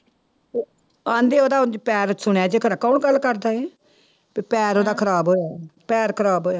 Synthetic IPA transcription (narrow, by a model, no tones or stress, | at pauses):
ãːnd̪eːoːd̪aːʊnd͡ʒpɛːɾsʊɽɛːd͡ʒeːkʰɾakɔːnɡəlːkəɾd̪aːɛː | pepɛːɾoːd̪aːkʰəɾaːbɦoːɛːpɛːɾkʰəɾaːbɦoːɛː